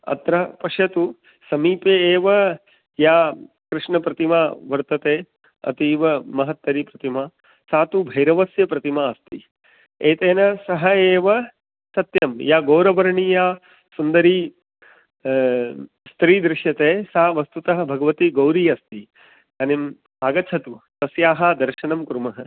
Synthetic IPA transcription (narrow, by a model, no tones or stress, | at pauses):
ɐ̰t̪ɾɐpɐʂjɐt̪u | sɐmiːpeːʋɐ | jaː | kɾɪʂɳɐpɾɐt̪imaːʋɐɾt̪ɐt̪eː | ɐ̰t̪iʋɐmɐɦɐt̪ːɐɾipɾɐt̪imaː | saːt̪ubʱɐjɾɐʋɐsjɐpɾɐt̪imaːɐst̪i | eːt̪eːnɐsɐɦɐeːʋɐ | sɐt̪jɐmjaːɡoːɾɐʋɐɾɐɳiːjaː | sund̪ɐɾiː | st̪ɾiːd̪ɾɪʃjɐt̪eːsaːʋɐst̪ut̪ɐɦɐ̆bʱɐɡɐʋɐt̪iɡɐwɾijɐst̪i | ɐnim | aːɡɐt͡ʃʰɐt̪ut̪ɐsjaːɦɐd̪ɐɾʃɐɳɐmkɾumɐɦɐ̆